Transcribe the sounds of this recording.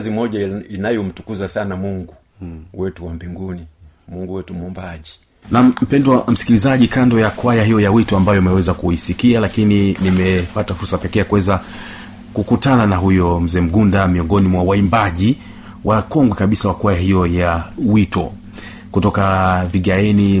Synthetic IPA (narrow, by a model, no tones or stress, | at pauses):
zimɔʄainajɔm̩tu̥kuzasanamuŋɡu | wɛtuwam̩biŋɡuni | muŋɡuwɛtumɔmbaʄi | nam̩m̩pɛndwam̩si̥kilizaʄikandɔjakwajaɦijɔjawitɔambajɔimɛwɛzakuisikialakininimɛpatafuɾsapɛkɛjakuwɛza | kukutananaɦujɔm̩zɛːm̩ɡundamiɔŋɡɔnimwawaimbaʄi | wʔakɔŋɡwɛkaɓisawakuwajaɦijɔjawitɔ̰ | kutɔkaviɠaɛni